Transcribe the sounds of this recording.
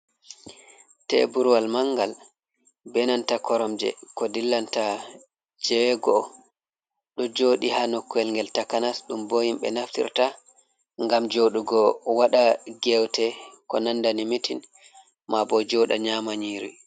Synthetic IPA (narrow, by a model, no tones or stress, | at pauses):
tɛ̰buɾwalmaŋɡal | bɛnantakʰɔɾɔmd͡ʒɛ̰kɔdilːanta | d͡ʒɛɛɡɔ | ɗɔd͡ʒoːɗihanokːuɛlŋɡɛltakanasɗumbojimɓɛ̰naftḭɾta | ŋɡamd͡ʒoɗuɡɔwaɗaɡɛwtɛkɔnandanimitin | mabɔd͡ʒɔɗaɲamaɲiɾḭ